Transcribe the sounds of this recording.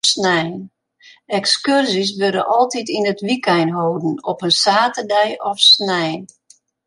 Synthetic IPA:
snɛjn | ɛkskørsis̬ʋøɾə̰ʔɔlˠtitinətʋikɛjnɦoːdən̩ɔpənsaːtərdɛjɔfsnɛjn

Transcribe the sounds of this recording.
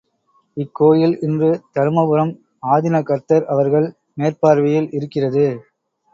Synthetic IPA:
ɪkːoːjɪlʔɪndrɯt̪ɐɾɯmɐbɯɾɐm | aːðɪnɐkːɐɾt̪ɐɾʔɐʋɐɾɣɐɭ | neːrpaːɾʋɪjɪlɪɾɯkːɪrɐðɯ

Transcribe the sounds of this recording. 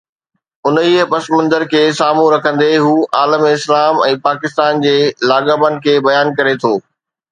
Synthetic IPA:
ʊnɦiəpɐsmɐ̃nd̪əɾkʰeːsaːmũɾɐkʰə̃nd̪eɦuːʔaːləmɪslaːmɛ̃ːpaːkɪst̪aːnd͡ʑeːlaːɠəbənɪ̆kʰeːbɐjaːnkɐɾet̪ʰoː

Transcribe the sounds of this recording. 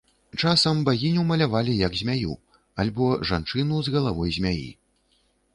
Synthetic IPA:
t͡ʂasɐmbaɣʲinʲɛwmɐlʲavalʲijɐɡzʲmʲajṵ | alʲbɔʐant͡ʂɨnuzɣɐlˠavɔjzʲmʲajḭ

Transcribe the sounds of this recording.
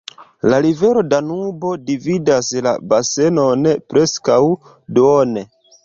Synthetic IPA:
laɾive̞ɾo̞danubo̞dividasla̰base̞no̞npɾe̞skaw | done

